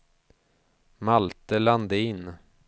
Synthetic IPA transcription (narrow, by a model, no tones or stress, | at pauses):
malt̪əland̪əɪnː